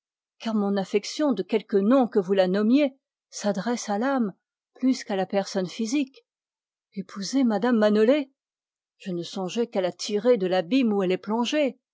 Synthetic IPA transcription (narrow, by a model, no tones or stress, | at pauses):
kaʁmɔ̃nafɛksjɔ̃d̪əkʲɛlkənɔ̃kəvulanɔmje | sad̪ʁɛsalam | plyskalapɛʁsɔnfizik | epʰuzemad̪amːanɔle | ʒ̥ənəsɔ̃ʒɛkalat̪ʰiʁed̪əlabimuɛlɛplɔ̃ʒe